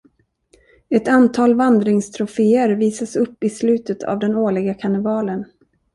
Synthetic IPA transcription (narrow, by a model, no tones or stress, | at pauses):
ɛt̪ant̪ʰɑːlvand̪ɾɪŋst̪ʰɾʊfeːəɾviːsasɵpːɪslʉ̟ːt̪ət̪ʰa̰vd̪ɛnoːɭɪɡakʰanɪvɑːlən